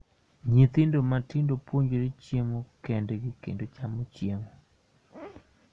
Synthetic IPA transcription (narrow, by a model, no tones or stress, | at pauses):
ɲit̪ɪndomatɪndopwoɲd͡ʒoɾet͡ʃjeŋokendɛɡɪkḛndot͡ʃamot͡ʃjeŋo